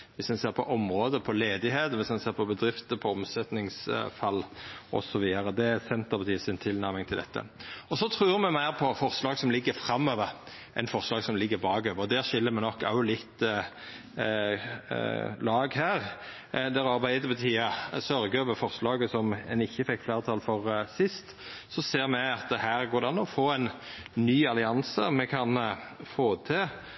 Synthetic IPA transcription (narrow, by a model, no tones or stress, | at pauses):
ʋɪsd̪ɛnseːɾpʰɔʔɔmʁoːd̪əpʰɔleːd̪ɪɦeːt̪əʋɪsd̪ɛnseːɾpʰɔbəd̪ɾɪft̪əpʰɔɔmsɛt̪nɪŋsfɑlːʔɔ̰sɔʋiːəɾəd̪ɛsɛnt̪əʁpʰɑt̪ʰiːəsɪnt̪ʰɪlnæɾmɪŋt̪ʰɪld̪ɛ̰t̪ːə̰ɔsɔt̪ʰɾʉːɾmɛmæɪʁpʰɔfɔʁslɑːɡsɔmlɪɡːəɾfɾɑmːøːʋəɾ | ʔɛ̰nfɔʁslɑːɡsɔmlɪɡːəɾbɑːɡøːʋəɾɔd̪æːʁʃɪlːəmɛnɔkːɑ̰ʊlɪt̪ː | lɑːɡɦæːʁ | d̪æʁɑɾbæɪd̪əbət̪ʰiːɑsœɾɡəøːʋəfɔɾslɑːɡəsɔmɛ̰nɪçːəfɛkːflæːʁt̪ʰɑːlfɔʁsɪst̪ | sɔseːɾmɛɑt̪hæːɾɡoːɾd̪ɛɑnːɔfoːɛɪnnyːɑlɪɑnsəmɛkʰɑnfoːt̪ʰɪ